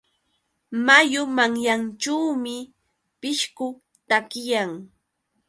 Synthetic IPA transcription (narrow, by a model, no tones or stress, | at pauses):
majʊmaŋjant͡ʃawːmɪ | pɪʃkʊ | t̪akɪjaŋ